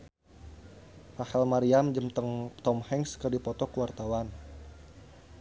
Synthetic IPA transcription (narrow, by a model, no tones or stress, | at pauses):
pahɛlmaɾiamd͡ʒəmt̪əŋt̪ɔmhɛŋskərdipɔt̪ɔkəwart̪awan